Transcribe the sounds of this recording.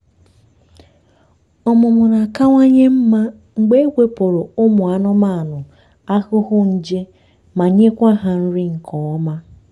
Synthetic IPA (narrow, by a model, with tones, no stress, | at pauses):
ɔ˨mʊ˨mʊ˨na˨ka˦ŋʷa˦ɲe˦m̩˦ma˦ | ŋ͡m̩˨ɡ͡be˦e˦ɡʷe˦po˨ɾo˨ʊ˦mʊ˨a˨nʊ˦ma˦a˨nʊ˨ | a˦ɣʊ˦ɦʊ˦n̩˦d͡ʒe˦ | ma˨ɲe˦kʷa˦˨ɦa˨n̩˦ɾɪ˦ŋ̩˨kʰɔ˨ɔ˦ma˦